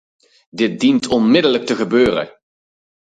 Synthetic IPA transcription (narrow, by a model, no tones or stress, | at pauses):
dɪt̚dintʰɔnmɪdələk̚təχəbøːrə̰